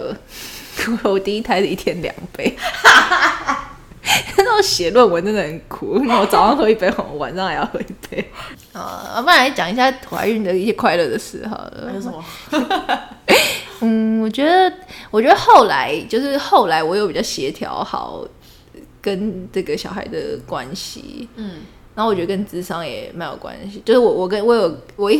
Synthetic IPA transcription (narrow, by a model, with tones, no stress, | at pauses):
kʰu˧˥ɹo˧˥ʊt̪i˥˧i˥t̪ʰa˧˥ɪdə˨i˥˩t̪ʰjɛ˥nljɑ̰˨˩ŋpe˥˩ɪ | na˥˩wɕjɛ˨˩lwə˥˩nwɔ˨˦nə˥˧d̪ə˩ə˧˩˦nkʰu˨˩na˥˩wɔ˨˦t͡sɑ˨˩ʊɑ˥ŋxo˧˥i˥˩pe˥˩xɔ˨˩˧wa̰˨˩˦nʂɑ˥˧ŋa˨˩jɑ˥˧xɤ˧˥i˥˩pʰe˥˩ɪ | ə̰˨˩˧pa˥˩ɻa˧˥t͡ɕjɑ˨˩ŋi˧˥ɕ̬ja˥˩xwa̰˧˥y˥˩nd̪ə˩i˥˩ɕjɛ˥kʰwa˥˧ɪlɤ˥˧˩d̪ə˩sɹ̩˥˩xɑ̰˨˩ | n̩˥˩wɔ˨˩t͡ɕɥɛ˧˥d̪ə˨wɔ˨˩t͡ɕɥɛ˧˥d̪ə˧xo˥˩ʊla˧˥ɪt͡ɕjo˥˧ʊʂɻ̩˥˧xo˥˩ʊla˧˥ɪwɔ˨˧˥jo˧˥ʊpi˨˩t͡ɕɑ˥˩ɕjɛ˧˥t̪ʰjɑ̰˧˥ʊxɑ̰˨˩˦ʊ | kə˥nʈ͡ʂɤ˥˩ɡə˩ɕjɑ˨ʊxa˧˥ɪd̪ə̰˨kwa̰˥nɕḭ˨˩ | na˥˩˨wɔ˨˩t͡ɕɥɛ˧˥d̪ə˧kə˥nt͡sɹ̩˥ʂɑ˥ŋjɛ̰˨˩ma˧˥ɪjo̰˨˩ʊkwa̰˥nɕi˨t͡ɕjo˥˧ʊʂɻ̩˥˩wɔ˨˩wɔ˨˩kə˥nwɔ˧˥jo˨˩ʊwɔ˨˩i˥˩